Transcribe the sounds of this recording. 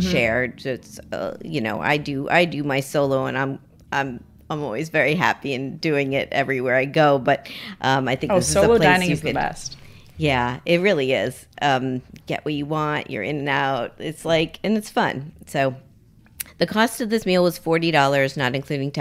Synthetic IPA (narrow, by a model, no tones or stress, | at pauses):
ʃɛɹd͡ʒʌsʌ̰jɨno̰ʊʔa̰ɪdɨʔa̰ɪdɨmaɪsoʊlˠoʊə̃nãɪ̃m | ʔãɪ̃m | ãɪ̃mɔ̰lˠwizvɛɹiɦæ̰piɨ̃ndʉɪ̃ŋɪɾɛvɹiwɛɹaɪɡoʊbʌt̚ʔʌ̃maɪθɪ̃kððɪsɨoʊzˠoʊlaɪ̃ɪ̃ñŋɨzkɨbɛ̰st̚ | jæɪt̚ɹɪlˠiɪz̥ | ʔʌ̃mɡ̥ɛ̰ʔwʌt͡ʃɨwɑ̃nʔjə̰˞ʔɪ̰̃nɨ̃naʊt̚ɪtslaɪkɨ̃nɨtsfʌ̰̃nsoʊ | ðɨkʰɔstʌvðɪsmilˠwʌz̥fɔɹɾiɾɔlˠə˞znəɾɨ̃nkʰl̥ʉɾɪ̃ŋtʰ